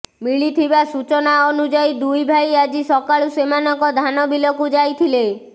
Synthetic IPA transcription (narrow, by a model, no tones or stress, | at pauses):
miɭit̪ʰibasut͡ʃɔnaɔnud͡ʒajd̪ujbʱajad͡ʒisɔkaɭusemanɔkɔd̪ʱanɔbilɔkud͡ʒajt̪ʰile